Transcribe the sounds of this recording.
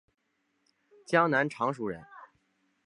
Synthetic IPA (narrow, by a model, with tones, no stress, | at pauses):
t͡ɕjɑ˥ŋna˧˥nʈ͡ʂʰɑ˧˥ŋʂu˨˩ɻə̰˧˥n